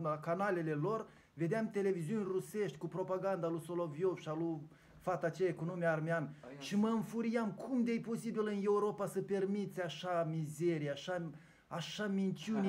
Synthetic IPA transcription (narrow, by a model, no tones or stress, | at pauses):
akanale̞le̞lo̞r | ve̞d̪eamt̪e̞le̞viziunʲruse̞ʃt̪ʲkupɾo̞paɡand̪alusolovjo̞fʃalu | fat̪at͡ʃejakunumeaːrmeanʃiməɨnfuɾijamkʰumd̪ejpo̞sibilɨnje̞uɾo̞pasəpe̞rmit̪sʲaʃamize̞ɾijaʃa | aʃamint̪t͡ʃiun